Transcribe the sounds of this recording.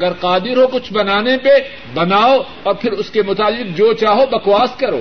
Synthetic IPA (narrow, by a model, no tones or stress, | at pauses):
ɐɡəɾqaːd̪ɪɾɦokʊt͡ʃʰbɐnaːnepe | bɐnaːo | ɔːɾpʰɪɾʊskemʊt̪aːlɪq̚d͡ʒoːt͡ʃaːɦobɐkwaːskɐɾo̰ː